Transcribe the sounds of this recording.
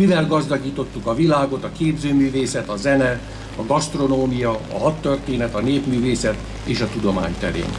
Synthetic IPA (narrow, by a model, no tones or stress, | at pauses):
ivɛlɡɒzd̪ɒɡiːt̪o̞t̪ːukɒvilaːɡo̞t̪ɒkeːbzøːmyːveːsɛt̪ɒzɛnɛ | ɒɡɒst̪ro̞noːmijɒ̰ːɦɒt̪ːørt̪eːnɛt̪ɒneːpmyːveːsɛt̪ | eːʃɒt̪ud̪o̞ma̰ːɲt̪ɛɾḛːn